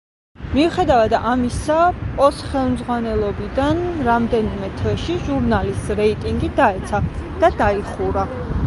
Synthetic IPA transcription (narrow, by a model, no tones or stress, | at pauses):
miuχɛd̪avad̪amisapʼɔsχɛlˠmd̪zʁwanɛlˠɔbid̪anɾamd̪ɛnimɛt̪ʰvɛʃiʒuɾnalisɾɛit̪ʼiŋɡid̪aɛt̪sʰad̪̥ad̪aiχuɾa